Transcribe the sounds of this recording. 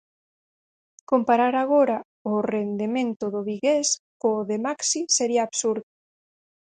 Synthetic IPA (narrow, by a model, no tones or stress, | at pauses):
kompaɾaɾaɣ̞oɾa | ʊrend̪emẽnt̪ʊðʊβiɣeskoðemaksiseɾiaːβsuɾðʊ